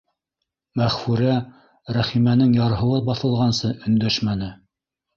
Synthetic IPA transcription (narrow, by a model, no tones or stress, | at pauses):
mæχfʉɾæ | ɾæχimænɘŋjɑɾɦɤ̆w̪ˠɤbɑθɤ̆lˠʁɑnsɤʔɵ̆nd̪æʃmænɘ